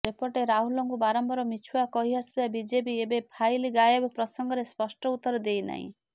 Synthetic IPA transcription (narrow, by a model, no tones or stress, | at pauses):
ɾepɔɾʈeɾaɦulɔŋkubaɾɔmbɔɾɔmit͡ʃʰuwakɔɦiaspiabid͡ʒebiebepʰajliɡajebpɾɔsɔŋɡɔɾespɔsʈɔut̪ɔɾɔd̪ejna̰ɦḭ̃